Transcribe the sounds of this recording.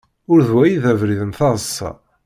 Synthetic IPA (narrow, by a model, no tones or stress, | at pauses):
ʊɾðwæjiðævɾiðənθɑʁəsˤːɑ̰